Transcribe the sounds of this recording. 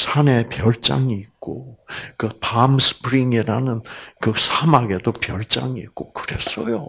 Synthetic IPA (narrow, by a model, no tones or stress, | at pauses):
sʰane̞pjʌɭt͡ɕ͈a̰ŋiːk̚k͈okɯpamsʰɯ̥pɾiŋiɾanɯnkɯsʰamaɡe̞dopjʌɭt͡ɕ͈a̰ŋiːk͈okɯɾe̞s͈ʌjo